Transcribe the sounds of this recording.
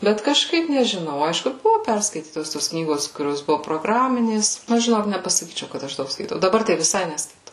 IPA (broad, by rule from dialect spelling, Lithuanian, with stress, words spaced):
ˈbʲɛt kɐʃˈkɐɪp nʲɛʒʲɪˈnɐʊ ˈɐɪʃkʊ ˈbʊʋoː ˈpʲɛrskɐɪtʲiːtoːs toːs ˈknʲiːɡoːs kʊˈrʲoːs ˈbʊʋoː proːˈɡrɑːmʲɪnʲeːs ɐʃ ʒʲɪˈnoːk nʲɛpɐsɐˈkʲiːt͡ʃʲɛʊ kɐt ˈɐʃ ˈdɐʊk skɐɪˈtɐʊ dɐˈbɐr tɐɪ ʋʲɪˈsɐɪ nʲɛskɐɪˈtɐʊ